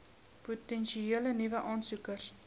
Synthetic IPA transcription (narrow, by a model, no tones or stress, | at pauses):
putɛnʃieələnivəʔɑːnsukər